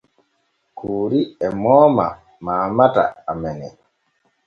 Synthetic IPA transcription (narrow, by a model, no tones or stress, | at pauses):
kuːɾiɛmɔːma̰ | maːmata̰ːmɛnɛ